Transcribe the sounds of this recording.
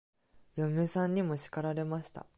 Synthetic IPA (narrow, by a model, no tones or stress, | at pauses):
jomʲɯsãɲ̟ːimo̞ɕi̥kaɾaɾe̞maɕi̥t̪a̰